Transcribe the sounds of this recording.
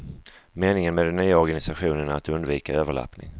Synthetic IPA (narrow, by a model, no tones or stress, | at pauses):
meːnɪŋənmeːd̪ɛnːyːaɔɾɡanɪsaɧuːnəɳaːt̪ɵnd̪viːkaøːvəɭa̰pnɪ̰ŋ